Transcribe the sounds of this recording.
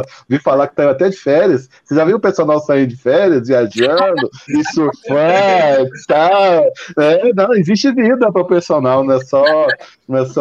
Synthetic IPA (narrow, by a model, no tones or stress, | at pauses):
vifalakɪ̥t̪ẽj̃at̪ɛd͡ʒɪfɛɾiɐs | seʒavẽʊ̃peɾsonawsaĩd̪ʊd͡ʒɪfɛɾiɐzviad͡ʒiɐ̃d̪ʊɪsoɾfɐ | t̪a | ɛnɐ̃w̃ɪziʃt͡ʃɪvid̪ɐpɾɐʊpeɾsonawñɛsɔ | nɛsɔ